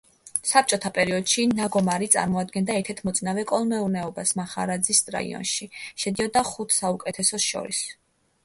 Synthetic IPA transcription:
sap̚t͡ʃʼɔt̪ʰapʼɛɾiɔd̪̥ʃinaɡɔmaɾit̪sʼa̰ɾmɔad̪̚ɡɛnd̪aɛɾt̪ʰɛɾt̪ʰmɔt̪sʼnavɛkʼɔlˠmɛuɾnɛɔbasmaχa̰ɾad̪zisʼɾa̰ḭɔ̰nʃiʃɛd̪iɔd̪aχut̪ʰsaukʼɛt̪ʰɛsɔʃɔ̰ɾḭs

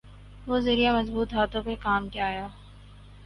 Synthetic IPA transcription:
ʋoːzɪɾijamɐzbuːt̪ɦaːt̪õkekaːmkjaːjaː

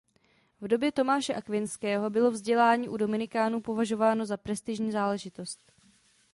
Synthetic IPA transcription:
vdo̞bjɛt̪o̞maːʃɛʔakvɪnskɛːɦo̞bɪlo̞vzɟɛlaːɲiːʔudo̞mɪnɪkaːnupo̞vaʒo̞vaːno̞zapɾɛst̪ɪʒɲiːzaːlɛʒɪt̪o̞st̪

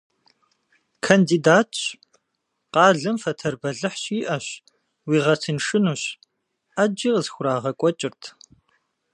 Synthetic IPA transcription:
kʰɐndidaːtʰɕ | qɑːɮɐmfɐtʰɐrbɐɮɨħɕiːʔɐɕ | wiːʁɐtʰɨnʂɨnuːɕ | ʔad͡ʒiːqəzxʷʊɾaːʁɐkʷʼɔt͡ʃʼɪrtʰ

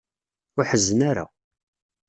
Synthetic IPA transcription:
ʊħəzːənaɾa̰

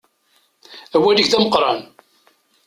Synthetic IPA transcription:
æwæliçθæməqɾˤɑn

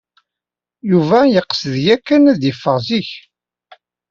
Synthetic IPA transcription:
juvæjəqːə̥səðjækːænæðjifːəʁziç

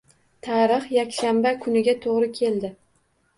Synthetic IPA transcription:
t̪ʰaɾɪχjakʲʃambakʰʊnɪɡʲat̪ʰoʁɾɪkʲʰe̞ld̪ɪ

